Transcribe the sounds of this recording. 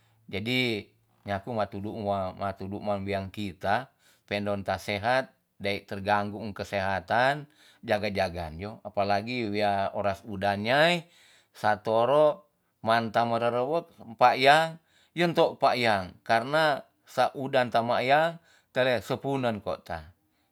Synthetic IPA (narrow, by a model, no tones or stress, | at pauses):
d͡ʒadi | ɲakumat̪uduʔamat̪uduʔmaŋwiaŋkit̪a | pɛndɔnt̪asɛɦat̪̚ | dait̪ərɡaŋɡuŋkəsɛɦat̪an | d͡ʒaɡad͡ʒaɡa̰nd͡ʒɔapalaɡiwiaɔɾasudanɲai | sat̪oɾɔʔ | mant̪aməɾəɾəwək̚paʔjaŋ | jɔnt̪ɔʔpaʔjaŋkarna | saʔudant̪amajaŋ | t̪əlɛsəpunənko̰ʔt̪a